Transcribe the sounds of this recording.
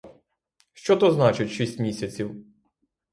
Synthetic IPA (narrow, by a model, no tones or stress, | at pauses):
ʃt͡ʃɔt̪ɔznɑt͡ʃɪtʲʃisʲtʲmʲisʲɐt͡sʲiw